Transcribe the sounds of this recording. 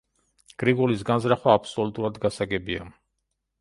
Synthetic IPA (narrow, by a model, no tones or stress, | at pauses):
ɡ̥ɾiɡɔlisɡanzɾaχwaːpʰsɔlut̪ʼuɾad̪ɡasaɡɛbia̰